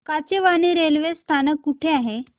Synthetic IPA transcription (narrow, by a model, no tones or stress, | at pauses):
kat͡ɕeʋaneɾelʋest̪ʰanəkːuʈʰeaɦe